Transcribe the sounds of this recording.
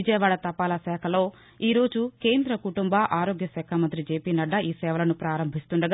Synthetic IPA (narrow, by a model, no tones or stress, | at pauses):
id͡ʒɐjɐʋaːɽɐt̪ɐpːaːlɐsɛːkʰɐlo̞ː | iːɾo̞ːd͡ʒuke̞ːnd̪ɾɐkuʈumbɐʔaːɾo̞ːɡjɐsɛːkʰamɐnt̪ɾid͡ʒeːpiːnɐɖːɐʔiːsɛːʋɐlɐnupɾaːɾɐmbʱist̪uɳɖɐɡ